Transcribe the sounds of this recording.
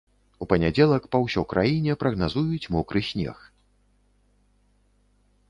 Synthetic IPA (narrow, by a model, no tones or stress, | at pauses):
upɐnʲad͡zʲɛlˠɐkpɐwsʲɔkɾʔajinʲɛpɾɐɣnazujut͡sʲmɔkɾɨsʲnʲɛ̰x